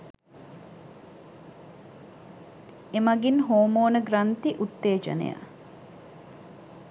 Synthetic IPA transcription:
emɐɡinɦoːmoːnəɡɾɐnt̪iʔut̪ːeːd͡ʒɐ̰nḛja̰

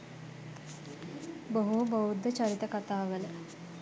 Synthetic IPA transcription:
boɦubəwud̪ʱːət͡ʃaɾit̪əkat̪aːʋələ

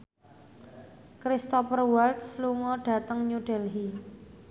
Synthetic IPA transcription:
kɾist̪ɔpərwalt̪sluŋɔɖ̥a̤t̪əŋɲuɖ̥ɛ̤lɦi

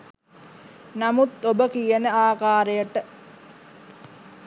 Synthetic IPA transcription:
namut̪obəkijənəaːkaːɾejəʈə

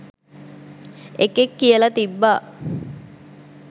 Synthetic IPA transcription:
ekekːijəlɐt̪ibːaː

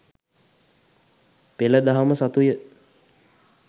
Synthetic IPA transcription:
peləd̪aɦaməsat̪ujə

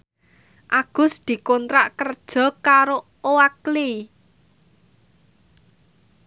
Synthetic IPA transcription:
ʔaɡ̥ʊ̤sd̪̥i̤kɔnt̪ɾaʔkərd̥ʒ̥ɔ̤kaɾo | oakle

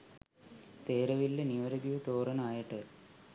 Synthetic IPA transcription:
t̪eːɾɐʋilːeniʋɐɾɐd̪iʋɐt̪oːrɐnɐaːjiʈːɨ

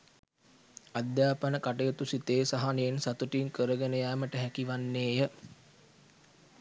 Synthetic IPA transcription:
ad̪jaːpənəkaʈəjət̪usit̪eːsaɦaneensat̪uʈiŋkəɾəɡenəjaːməʈəɦækiʋanːeːjə

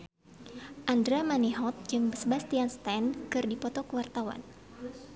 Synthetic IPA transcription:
ʔandɾamaniɦɔt̪̚d͡ʒɨŋbəsəbast̪ianst̪ankɨrdipɔt̪ɔkəwart̪awa̰n

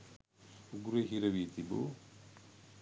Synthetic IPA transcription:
uɡuɾeɦiɾɐʋit̪ibo̰ː

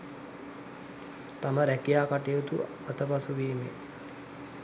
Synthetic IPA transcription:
t̪aməɾækijaːkaʈejut̪ṵ | at̪əpasuʋiːmḛ

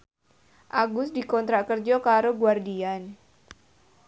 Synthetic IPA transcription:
ʔaɡʊsdikɔnt̪ɾakərd͡ʒɔkaɾoɡuardian

